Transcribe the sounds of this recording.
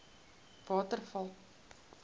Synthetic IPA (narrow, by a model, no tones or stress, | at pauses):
vɑːtərfɐlˠ